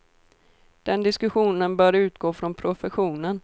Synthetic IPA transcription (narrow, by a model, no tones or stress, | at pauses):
d̪̥ɛnd̪ɪskɵɧuːnənbœːɾʉ̟ːt̪ɡoːfɾɔnpʰɾʊfɛɧuːnən